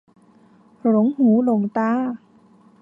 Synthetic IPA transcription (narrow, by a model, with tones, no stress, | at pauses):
lo˨˦ŋhuː˩˦lo˨˩ŋt̪aː˧˥˩